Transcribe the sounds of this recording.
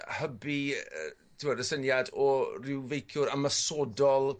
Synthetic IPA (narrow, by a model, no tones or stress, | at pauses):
həbi | tʰɪmɔdəsənjadɔrɪwvejkʰjʊɾamasɔdɔlˠ